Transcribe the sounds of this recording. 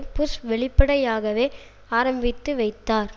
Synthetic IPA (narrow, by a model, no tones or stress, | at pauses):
pʊsʋɛɭɪpːɐɽɐjaːɣɐʋeː | aːɾɐmbɪt̪ːɯʋɐɪt̪ːaːɾ